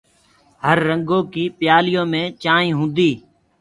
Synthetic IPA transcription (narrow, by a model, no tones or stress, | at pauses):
həɾːəŋɡõːkiːpɪjaːlɪjõːmẽːt͡ʃaːĩːɦũːnd̪iː